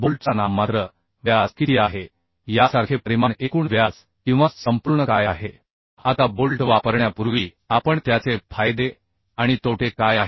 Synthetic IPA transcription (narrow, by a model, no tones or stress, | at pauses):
bolʈt͡sanamːat̪ɾə | ʋjaskit̪iaɦe | jasaɾkʰepɾimanekuːɳʋjas | kĩw̃ʋasəmpuɾɳəkajaɦe | at̪abolʈʋapəɾɳjapuɾʋiː | apəɳt̪jat͡sefajd̪e | aɽ̃it̪oʈʰekajaɦe